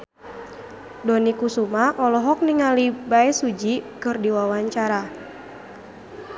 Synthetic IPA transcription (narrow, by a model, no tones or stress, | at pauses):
dɔnikusumaʔɔlɔɦɔk̚niŋalibaɛsud͡ʒikɨrdiwawaɲt͡ʃaɾa